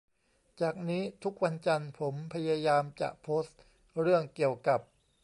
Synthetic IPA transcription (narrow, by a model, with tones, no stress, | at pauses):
t͡ɕaː˨˩k̚niː˦˥t̪ʰu˦˥k̚wa˧nt͡ɕa˧npʰo˩˦mpʰa˧jaː˧jaː˧mt͡ɕa̰˨˩ʔpʰoː˦˥st̪̚ | ɾɯ˥˩əŋki˨˩əwka˨˩p̚